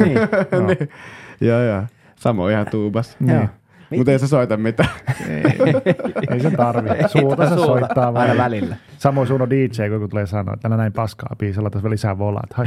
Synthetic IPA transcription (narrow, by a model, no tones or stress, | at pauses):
nijoːjoː | sɑmo̰ihɑt̪uːbɑsni | mut̪eisesoit̪ɑmmit̪ænḭ | eisent̪ɑrʋisuːt̪ɑseusːoit̪ːɑːʋɑiʋælilːæ | sɑmoisuːnodiːt͡ʃeikokut̪uleːsɑno̰ːḛt̪ːænænæimpɑskɑ̰ːpiːselːɑt̪ːɑsʋelisæʋolɑ̰t̪hɑ